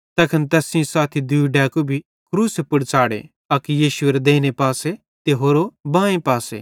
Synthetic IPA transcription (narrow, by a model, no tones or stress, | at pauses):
t̪ɐːkʰɐnt̪ɛːsĩsaːt̪ʰid̪uɖɛːkobʱi | kɾuːsepʊɽt͡saːɽḛ | ɐkjiːʃʊeɾed̪eːnepaːse | t̪eɦoːɾobãːẽpaːsḛ